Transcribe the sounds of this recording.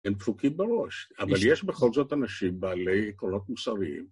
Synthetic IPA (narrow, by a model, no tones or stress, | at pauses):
empfukimbeʁo̞ʃavaljeʃbeχo̞lzo̞t̪anaʃimbaːle̞jekʁono̞t̪musaʁiḭm